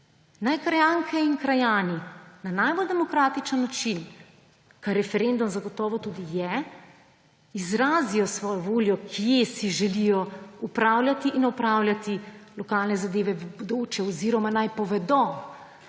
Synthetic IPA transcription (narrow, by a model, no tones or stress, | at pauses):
najkɾajaŋkʰɛinkɾajaːninanajbold̪ɛmɔkɾaːt̪it͡ʃənːat͡ʃin | kaɾɛfɛɾend̪umzaɡɔt̪ɔːʋɔt̪uːd̪ijɛ | izɾaːzijɔsʋɔːjɔʋoːljɔkʰijesiʒɛlijɔupɾaːwlʲjʲat̪iʔinɔpɾaːwlʲjat̪ilɔkaːlnɛzad̪eːʋɛbod̪oːt͡ʃɛɔziːɾɔmanajpɔʋɛd̪ɔ